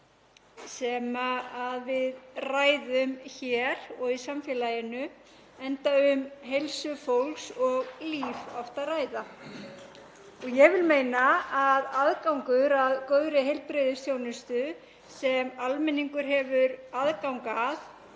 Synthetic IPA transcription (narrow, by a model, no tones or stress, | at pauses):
sɛːmaːðvɪðraːjðʏmçɛɾ̥ɔɣisamfɛːlajɪnʏɛnt̪aʏmɦejlsʏfowlksɔɣliːvɔft̪araːjða | ɔɣjɛɣvɪlmeːjnaaðaðkawŋkʏɾaðkœːɥɾɪɦejlpɾɪðɪsθjownʏst̪ʏ | sɛmalmɛnːiŋkʏɾ̥ɦɛvʏɾaðkawŋkað